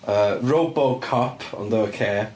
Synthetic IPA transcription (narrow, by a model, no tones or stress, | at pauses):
əɹoʊbolkʰɔpʰɔ̰̃nðoəkʰɛː